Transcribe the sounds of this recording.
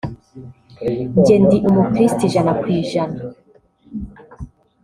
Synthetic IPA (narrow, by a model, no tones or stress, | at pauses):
ɲɟendiʔumukɾistiʒanakwiːʒana